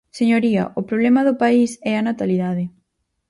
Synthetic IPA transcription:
seɲoɾiɐ̰ʔʊpɾoβlɛmɐðʊpaisɛɐnat̪aliðaðɪ

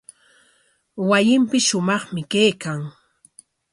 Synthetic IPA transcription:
wajɪmpɪsʃʊmɑχmɪkajkaŋ

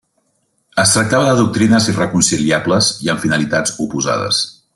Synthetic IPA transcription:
əst̪ɾək̚t̪aβəðəðuk̚t̪ɾinəzirəkunsiliabləziəɱfinəlit̪ad͡zupuza̰ðə̰s

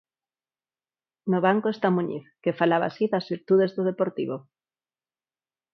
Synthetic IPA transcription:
noβ̞aŋkoest̪amuɲḭθkefalaβa̰siðazβiɾt̪uð̞ezðoð̞epoɾt̪ḭβo

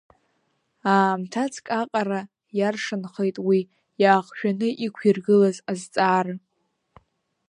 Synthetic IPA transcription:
aːmtʰat͡sʰkʼaqʼaɾa | jarʂɨnχejtʼwi | jaːχʃᶣanɨʔikʷʰirɡɨlazazt͡sʼaːr

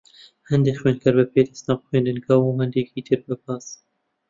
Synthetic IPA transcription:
hɛnd̪eːxweːnkʰɐɾbɛpʰeːd̪ɐsnɑːbxweːnd̪ɨnɡɑːwuːhɛnd̪eːkiːt̪ʰəɾbɨbɑːs

